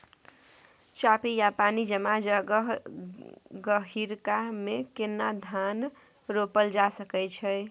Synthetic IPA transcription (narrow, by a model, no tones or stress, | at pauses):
t͡ʃapijapanid͡ʒəmad͡ʒɦ | ɡəɦiɾkamekenːad̪ʱan | ɾopəld͡ʒasəkɛt͡ʃʰəɪ